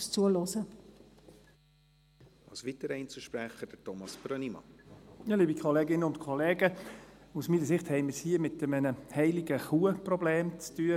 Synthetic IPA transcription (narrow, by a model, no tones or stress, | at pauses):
st͡suəlosə | ɑsʋitəɾɛɪnt͡suʃpɾæχəd̥ətɔmɑsb̥ɾønimɑ̰jɑːliːbikʰolɛːɡɪnəʊntkʰɔlɛːɡəusmiːəsɪχthɛɪməshiːəmɪt̪əmənəhɛɪlɪɡəχuːəprɔbleːmt͡styːə